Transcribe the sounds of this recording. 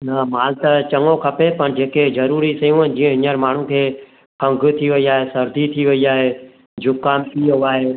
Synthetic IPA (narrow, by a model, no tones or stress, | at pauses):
nɐmaːlt̪ət͡ʃɐŋokʰɐpepənd͡ʑeːkezɐɾuːɾisɐjũə̃nd͡ʒĩːə̃ɦɪɲəɾmaːɳ̤ũkʰeː | kʰɐ̃ŋɡʱt̪ʰiʋɐiaːɦesɐɾd̪ʱit̪ʰiʋɐiaːɦeː | d͡ʒʊkːaːmt̪iaːɦeː